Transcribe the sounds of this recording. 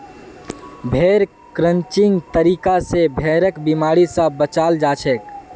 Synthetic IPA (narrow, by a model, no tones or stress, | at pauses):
bʱeːɾ | kɾə̃ɲt͡ʃiŋɡt̪əɾikasebʱeɾəkbimaɽisə̃bət͡ʃald͡ʒat͡ʃʰɛk